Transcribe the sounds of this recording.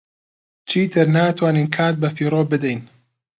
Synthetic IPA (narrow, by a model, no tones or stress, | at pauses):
t͡ʃʰiːt̪ʰɨɾnaːt̪ʰwaːniːnkʰaːt̪̚bɐfiːɾoːbɨd̪ɛjn